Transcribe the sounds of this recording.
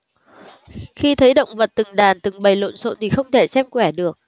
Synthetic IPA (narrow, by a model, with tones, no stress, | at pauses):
xi˧t̪ʰə˨˦jɗə̰˧˨wŋ͡mvə̰˨t̚t̪ɨ˨˩ŋɗaː˨˩nt̪ɨ˨˩ŋɓə˨˩jlo̰˧˨nso̰˧˥nt̪ʰi˨˩xə˧wŋ͡mt̪ʰe˧˩sɛ˧mkwɛ˧˩ɗɨ˨˩ək̚